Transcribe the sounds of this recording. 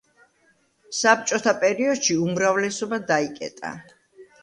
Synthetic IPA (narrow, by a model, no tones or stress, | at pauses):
sap̚t͡ʃʼɔt̪ʰapʼɛɾiɔd̪̥ʃiumɾavlɛsɔbad̪aikʼɛ̰t̪ʼa̰